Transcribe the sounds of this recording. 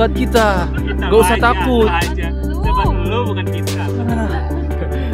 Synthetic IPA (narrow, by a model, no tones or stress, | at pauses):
at̪̚kit̪a | ɡausaht̪akʊt̪̚ | kat̪̚kit̪a